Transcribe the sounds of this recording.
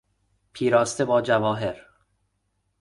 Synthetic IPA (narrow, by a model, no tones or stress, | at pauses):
pʰiːɾɒːst̪ebɒːd͡ʒævɒːɦeɾ